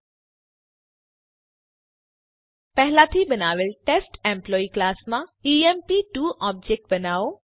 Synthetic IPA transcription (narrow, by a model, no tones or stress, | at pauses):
pəɦlat̪ʰibənaːʋelʈesʈẽmplɔːiklaːsmãiempiʈuːʔɔb̚d͡ʒek̚ʈ̚bənaːo